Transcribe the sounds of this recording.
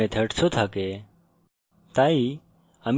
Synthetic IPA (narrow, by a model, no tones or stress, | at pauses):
ẽt̪ʰəʈsʰot̪ʰake | t̪aːi | əm